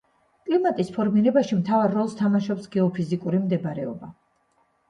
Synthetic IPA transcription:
kʼlimat̪ʼispʰɔɾmiɾɛbaʃimt̪ʰavaɾːɔlˠst̪ʰamaʃɔpsɡɛɔpʰizikʼuɾimd̪ɛbɾɛɔ̰ba

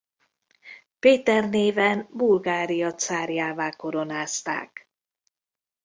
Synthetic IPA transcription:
peːt̪ɛrneːvɛnbulɡaːɾijɒt̪saːɾjaːvaːko̞ɾo̞naːst̪a̰ːk

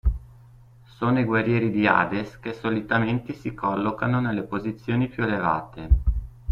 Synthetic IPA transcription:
soːnoiɡwarjɛːɾid̪ia̰ːd̪eskesːolit̪ament̪esikɔlːokanonelːepozit̪sːjoːnipjueleva̰ːt̪e

